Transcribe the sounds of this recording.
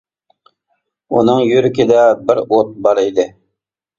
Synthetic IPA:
ṵnɤŋjɵɾɪkʲɪd̪æbɪɾot̪̚bɑɾid̪ɪ

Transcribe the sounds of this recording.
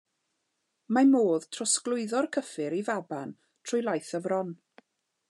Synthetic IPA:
mamoːð̥tʰrɔsklˠʊɨðɔrkʰəfɪɾivaban | tʰr̥ʊjlˠajθəvrɔn

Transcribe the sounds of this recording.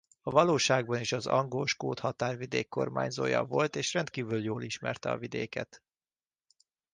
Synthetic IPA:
ɒvɒloːʃaːɡ̚bɒneːʃɒzɒŋɡoːʃkoːt̪hɒt̪aːrvid̪eːkːo̞̰rma̰ːɲzo̰ːjɒ̰vo̞lt̪eːʃrɛnt̪̚kiːvyljoːliʃmɛrt̪ɛɒ̰vid̪eːkɛt̪

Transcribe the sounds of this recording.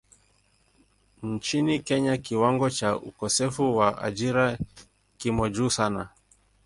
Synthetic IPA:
n̩t͡ʃinikɛɲakiwaŋɡɔt͡ʃaʔṵkɔsɛfuwaʔa̰d͡ʒiɾa | kimɔd͡ʒuːsana

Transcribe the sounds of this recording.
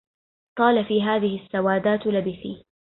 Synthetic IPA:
q̪ˤɑːlafiːɦaːðɪhɪsːawaːd̪aːt̪labɪθiː

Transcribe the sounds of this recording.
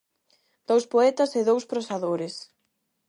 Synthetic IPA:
d̪̥owspoɛt̪ɐsɪðowspɾosaðoɾɪs

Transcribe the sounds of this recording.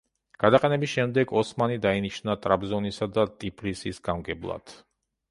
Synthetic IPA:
ɡ̥ad̪aqʼɛnɛbisʃɛmd̪ɛɡɔsmanid̪ainiʃnat̪ʼɾabzɔnisad̪at̪ʼipʰlisisɡ̥amɡɛblˠa̰d̪̥

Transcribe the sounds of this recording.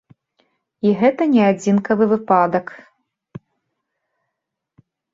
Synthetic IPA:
iɣɛt̪ɐnʲɛad͡zʲinkɐvɨvɨpad̪ɐk

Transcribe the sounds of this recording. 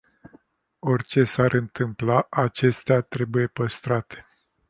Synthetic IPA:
o̞rʲt͡ʃe̞saɾʔɨnt̪ɨmplaʔat͡ʃe̞st̪eat̪ɾe̞buje̞pəst̪ɾat̪e̥

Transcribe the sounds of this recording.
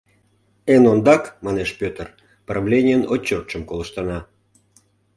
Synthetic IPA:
enond̪ɑkmɑneʃpʲøt̪ər | prɑvlʲenʲɪjənot͡ɕːort̪ʃəmkoləʃt̪ɑnɑ

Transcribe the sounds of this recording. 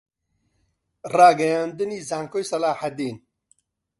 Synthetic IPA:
raːɡɐjaːnd̪ɨniːzaːŋkoːjsɐlaːħad̪iːn

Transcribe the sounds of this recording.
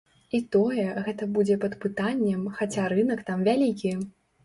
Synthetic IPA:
it̪ɔjɛɣɛt̪ɐbud͡zʲɛpɐt̪pɨt̪anʲːɛmxat͡sʲaɾɨnɐkt̪amvʲalʲikʲi

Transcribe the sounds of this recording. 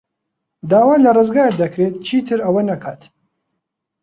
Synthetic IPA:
d̪aːwaːnlɐrɨzɡaːɾd̪ɐkɾeːt̪̚t͡ʃʰiːt̪ʰɨɾɐwɐnɐkʰaːt̪

